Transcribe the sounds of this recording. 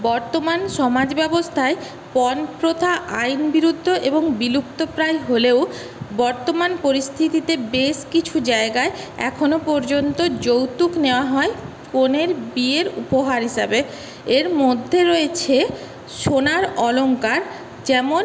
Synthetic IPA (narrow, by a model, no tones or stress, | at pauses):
bɔɾt̪omanʃɔmad͡ʑbɛbost̪ʰae | pɔnpɾot̪ʰaʔajnbiɾud̪ʱːoʔeboŋbilup̚t̪opɾajɦoleo | bɔɾt̪omanpoɾist̪ʰit̪it̪ebeʃkit͡ɕʰud͡ʑaeɡaeɛ̰kʰonopɔɾd͡ʑont̪od͡ʑowt̪ukneoaɦɔe | koneɾbieɾupoɦaɾɦiʃabe | eɾmod̪ʱːeɾoet͡ɕʰe | ʃonaɾɔloŋkaɾ | d͡ʑɛmon